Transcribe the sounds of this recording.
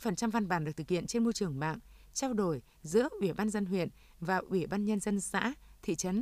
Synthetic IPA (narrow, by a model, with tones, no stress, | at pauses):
fə˨˩nt͡ɕa˧mva˧nɓaː˧˩nɗɨ˨˩k̚t̪ʰɨ˨˩khḭ˧˨ənt͡ɕe˧nmo˧jt͡ɕɨ˨˩əŋɓa̰ː˧˨ŋ | t͡ɕaː˧wɗo˨˩j | zɨ̰˧˥əʔwi˧˩ɓaː˧nzə˧nɦwḭ˧˨ən | vaː˨˩ʔwi˧˩ɓaː˧nɲə˧nzə˧nsa̰ː˧˥t̪ʰḭ˧˨t͡ɕə˨˦n